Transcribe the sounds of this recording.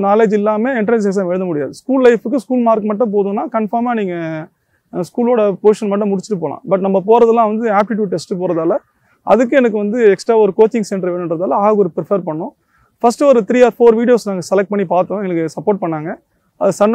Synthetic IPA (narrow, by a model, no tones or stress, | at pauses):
naːleːd͡ʒɪlːaːmeːɪɳʈɐɾs̬es̬aːʋɛɻɯ̃nd̪ɐmʊɽɪjaːðɯskuːllɐɪfɯkːɯskuːlmaːɾkɯmɐʈːɐ̃p̬oːðɯ̃nːãːkɐɳfaːmaːniːŋɡɐ | skuːloːɽɐpoːʂɐnmɐʈ̬ːɐ̃mʊɽɪt͡ʃːɯ̥ʈːɯpoːlã̰ːbɐʈ̬nɐmːɐpoːɾɐðɐlːãːʋɐnd̪ɯaːp̚ʈɪʈ̬juːɖ̚ʈːɛsʈɯp̬oːɾɐðaːlɐ | ʔɐ̰ðɯk̬ːɯɛnɐk̬ːɯʋɐnd̪ɯɛksʈɾaːɔɾɯkoːt͡ʃːɪ̃ŋsɛɳɖɐɾɛnnɖɾɐðaːlɐaːɔɾɯpɾɪfɐɾpɐɳːʊ̃ | fɐsʈɯɔɾɯt̪ɪɾiːaːɾfoːɾʋiːɽɪjoːsnaːŋɡɐsɛlɐk̚ʈ̚pɐɳːipaːɾt̪ʊ̃ɛnɐkːɯsɐpːoːɾʈ̚pɐɳːaːŋɡɐ | ɐðɯsɐɳ